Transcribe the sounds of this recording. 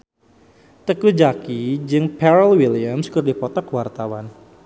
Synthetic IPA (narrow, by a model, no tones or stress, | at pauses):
t̪əkud͡ʒakid͡ʒɨŋpɛɾəlwiliamskərdipɔt̪ɔkwart̪awan